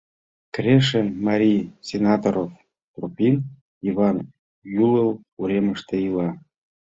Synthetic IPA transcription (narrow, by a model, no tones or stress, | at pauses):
kɾeʃemɑɾʲijsʲenɑt̪oɾof | t̪rupʲin | iβɑn | juləl | uɾeməʃt̪ĕilɑ